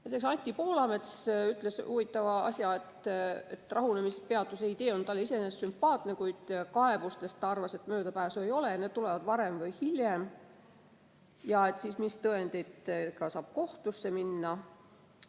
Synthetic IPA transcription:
næjt̪ːˑeksɑnʲt̪ʲˑːipo̞ːlɑme̞t̪syt̪ːˑle̞suvit̪ːˑɑvɑɑ̰sʲjɑe̞t̪et̪rʔɑɦunemisepe̞ɑt̪ːˑuseid̪e̞ːo̞nt̪ɑlːeise̞nessympːˑɑːt̪ne̞kujd̪̥kɑe̞b̥ust̪e̞st̪ːɑrvɑset̪mø̞ːd̪ɑpæːsuejo̞le̞jɑned̪̥̚t̪ulevɑd̪vɑɾe̞mvɤjhiljem | jɑe̞t̪sismist̪ɤe̞nd̪̥e̞jd̪kɑsɑːb̥̚ko̞ht̪usːe̞minːɑ

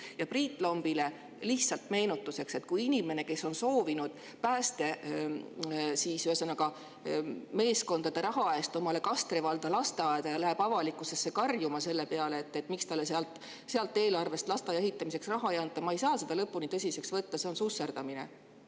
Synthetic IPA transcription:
jɑpriːt̪ːˑlo̞mb̥ile̞ | liht̪sɑlt̪me̞ːnut̪ˑːuse̞kse̞t̪kujinʲime̞ne̞ke̞sːo̞nso̞ːvinud̪̥ | pæːst̪e̞ | siːsyesenɑkɑ | me̞ːsko̞nd̪ɑd̪̥e̞ɾɑɦɑe̞ːst̪o̞mɑle̞kɑst̪revɑld̪̥ɑlɑst̪eɑed̪̥ɑjɑlæɦeb̥ɑvɑlikːˑuse̞sːe̞kɑrjumɑse̞lːe̞peɑleːt̪ːe̞t̪ːˑmikst̪ɑlːeseɑlt̪ | seɑlt̪ːˑe̞ːlɑrve̞st̪lɑst̪ɑjehit̪ːˑɑmise̞ksrɑɦɑejɑnt̪ːˑɑmɑejsɑːse̞d̪̥ɑlɤpːunit̪ɤs̬ʲise̞ksvɤt̪ːɑse̞o̞nsuse̞ɾd̪̥ɑmine̞̰

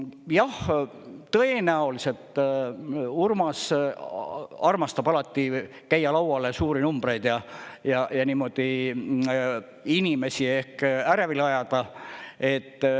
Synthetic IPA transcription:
jɑh | t̪ɤenæoliset̪ː | urmɑs | ɑrmɑst̪ɑb̥ɑlɑt̪ːi | kæjːɑlɑwwɑle̞suːɾinumb̥re̞jd̪̥jɑjɑjɑniːmo̞d̪̥i | inime̞sie̞hkæɾvilɑjɑd̪̥ɑe̞t̪ː

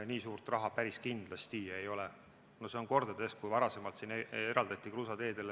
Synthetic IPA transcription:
niːsuːrt̪ˑrɑɦɑpæɾiskind̪̥lɑst̪iejo̞lɛ | nose̞o̞nko̞rd̪̥ɑd̪e̞skujvɑɾɑse̞mɑlt̪sineɾɑld̪̥ɑt̪ʲːˑikrusɑd̪e̞ːd̪e̞l

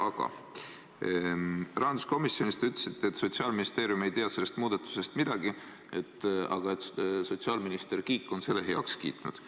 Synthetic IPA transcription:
ɑɡ̥ɑ̰ | rɑɦɑnd̪u̥sko̞misjo̞nist̪yt̪ːˑle̥sit̪ːeet̪ːso̞t̪siɑːlminist̪e̞ːɾjume̞jt̪eɑse̞lːest̪muːd̪ɑt̪ːˑu̥se̞st̪mid̪̥ɑɡ̥i | et̪ːɑ̰ɡ̥ɑet̪so̞t̪siɑːlminist̪e̞rkiːkːˑo̞nse̞lːe̞ɦe̞ɑ̰kskḭːt̪nṵd̪̥

